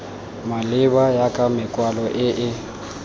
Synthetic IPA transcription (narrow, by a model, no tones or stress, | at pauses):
malɪbajakʼamɪkʼwalɔʔɪʔɪ